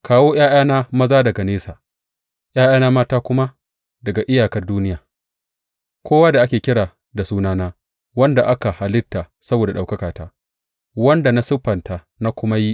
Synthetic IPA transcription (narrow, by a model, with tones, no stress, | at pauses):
kaː˨woː˦j̰aː˦jaː˦naː˦mɐ˦zaː˦dɐ˨ɡa˨neː˦saː˨ | ʔj̰aː˦jaː˦naː˦maː˦taː˦kʷʊ˦ma˦ | dɐ˨ɡa˨ʔɪ˦jaː˨kɐ˨rduː˦nɪ˦jaː˨ | kʷʰoː˦waː˦da˨ʔa˦kʲeː˨kʲɪ˦ɽaː˨ | da˨suː˦naː˦naː˦ | wɐ˦nda˨ʔa˦ka˨ha˨lɪ˦tːa˨ | sɐ˦boː˨da˨ɗa˨wkɐ˦kaː˨taː˦ | wɐ˦nda˨na˦sʊ˦ɸɐ˨ntaː˨ | na˦kʷʊ˦ma˦ji˦